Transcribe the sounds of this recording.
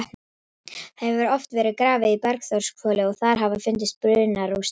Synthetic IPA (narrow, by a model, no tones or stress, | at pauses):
hɛvʏɾɔft̪vɛːɾɪðkɾaːvɪipɛɾkθawr̥skfœːlɪɔɣθaɾ̥ɦavafɪnt̪ɪst̪̚pɾʏðnaɾus